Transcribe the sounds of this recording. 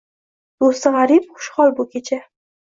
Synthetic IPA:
d̪̥osɪʁaɾip̚χʊ̥ʃχɒlˠbʊkʲʰet͡ʃʰa

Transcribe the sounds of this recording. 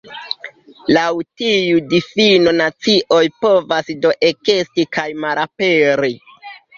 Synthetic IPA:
lawtijudifinonat͡siʔo̞jpo̞vasdo̞ʔe̞ke̞stikajmaɾape̞ɾi

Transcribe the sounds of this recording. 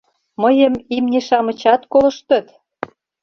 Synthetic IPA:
məjə̆mimneʃɑmə̆t͡ɕɑt̪kolə̆ʃt̪ə̆t̪

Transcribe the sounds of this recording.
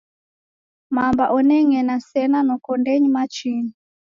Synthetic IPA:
mambaʔɔnɛŋɛnasɛnanɔkɔndɛɲimat͡ʃini

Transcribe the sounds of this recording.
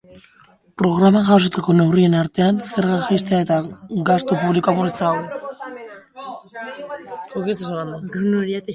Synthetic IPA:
pɾo̞ɣ̞ɾamaʝas̬ot͡s̪ako̞ne̞wrie̞naɾt̪e̞anse̞ɾɣaxest̪eae̞t̪aɡast̪opuβlikoamuɾit͡saɣo | okit͡sesanand̪an

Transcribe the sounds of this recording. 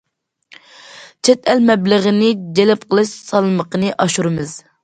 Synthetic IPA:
t͡ʃʰɛt̪ʰɛlmɛbləʁənɪd͡ʒelɛp̚qʰəlˠɨʃsɑlˠməqənɨʔɑʃuɾɨmɨz̥

